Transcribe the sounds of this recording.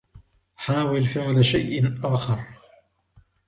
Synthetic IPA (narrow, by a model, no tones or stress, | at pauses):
ħaːwɪlfɪʕlaʃajʔɪʔaːxɑɾˤ